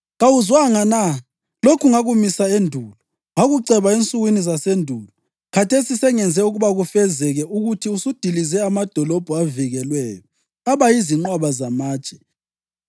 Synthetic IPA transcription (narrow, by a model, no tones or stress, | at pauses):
ɣawuzwaŋana | lokʰuŋaɣumisaendʱuːlɔ | ŋaɣuǀɛβaent͡sʼuɣwinizasendʱulɔ | kʰatʰesisɛŋɛnd͡zʱɛuɣuβaɣufɛzɛɣɛʔuɣutʰiusud̥ʱilizɛamad̥ʱɔlɔb̥ʱuaviɣɛlwɛːjɔ | aβajiziŋ͡ǃwaβazamaːt͡ʃʼɛ̥